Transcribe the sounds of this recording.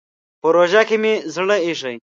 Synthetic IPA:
pəɾoʒakemizɽəiʂəj

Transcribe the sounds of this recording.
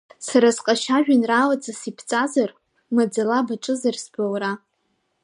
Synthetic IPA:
saɾasqʼaʃaʒᶣanraːlat͡sʼasipʰt͡sʼazar | mad͡zalabaʈ͡ʂʼɨzarsbawra

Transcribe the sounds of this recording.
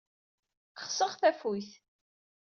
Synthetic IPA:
χsəʁθæfujθ

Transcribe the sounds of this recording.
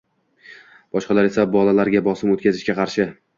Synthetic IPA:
b̥ɒʃqɑlaɾe̞sabɒlalaɾɡʲabɒsɪmot̪̚kʲazɪʃkʲaqʰɑɾʃɪ

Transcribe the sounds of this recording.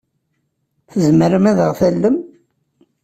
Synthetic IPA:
θəzməɾəmæðəʁθælːəm

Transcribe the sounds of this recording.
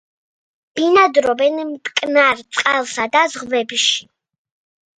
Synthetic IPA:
b̥inad̪ɾɔbɛnmt̪ʼkʼnaɾt̪sʼqʼɛlˠsad̪azʁvɛbʃi̥

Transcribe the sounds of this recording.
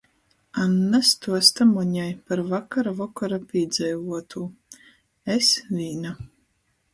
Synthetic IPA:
anːast̪uɔst̪amɔɲajpaɾvakaɾavɔkɔɾapiːd̪zɛjvuɔt̪ʰuː | esvʲiːna

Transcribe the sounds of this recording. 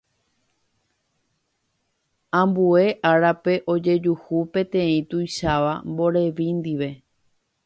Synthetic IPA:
ãmbue̞ʔaɾape̞ʔo̞d͡ʒe̞d͡ʒuhupẽ̞t̪ẽ̞ĩt̪ujʃaʋambo̞ɾe̞ʋĩnd̪iʋe̞

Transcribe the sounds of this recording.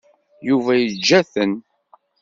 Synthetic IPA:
juvæjəd͡ʒːæθən

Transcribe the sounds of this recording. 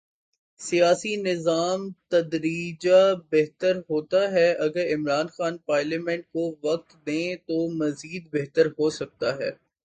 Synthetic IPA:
sijaːsinɪzaːmt̪ɐd̪ɾiːd͡ʒabɛɦt̪əɾɦoːt̪aɦɛʔɐɡəɾɪmɾaːnxaːnpaːɾlaːmɛ̃ɳʈ̚koʋɐk̚t̪d̪ẽːt̪omɐziːd̪̚bɛɦt̪əɾɦosɐk̚t̪aɦɛː

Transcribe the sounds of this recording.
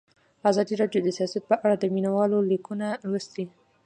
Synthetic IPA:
azɑd̪iɾɑɖjod̪əsijɑsiat̪̚pəʔaɽad̪əminawɑlolikunawəst̪i

